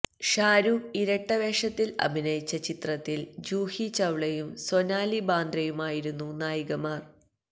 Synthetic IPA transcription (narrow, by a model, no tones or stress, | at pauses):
ʂaːɾuiɾɐʈːɐʋeːʂɐt̪ːilɐ̰bʱinɐjit͡ɕːɐt͡ɕit̪rɐt̪ːild͡ʑuːhit͡ɕɐʋɭɐjumsonaːlibaːnd̪rɐjumaːjiɾunːunaːjiɣɐmaːr